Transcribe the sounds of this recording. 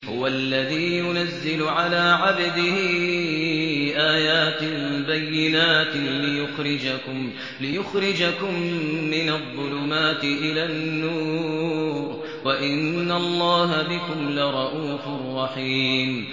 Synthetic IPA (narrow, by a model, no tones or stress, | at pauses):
hʊ̰walːaðiːjʊnazːɪlʊʕalaːʕabd̪ɪhɪ | ʔaːjaːt̪bajːɪnaːt̪lɪjʊxɾɪd͡ʒakʊm | lɪjʊxɾɪd͡ʒakʊmːɪnaðˤːʊlʊmaːt̪ɪʔɪlaːnːuːɾɾ | waʔɪnːalˤːɑːɦabɪkʊmlɪɾˤɑʔuːfʊrˤːɑħiːm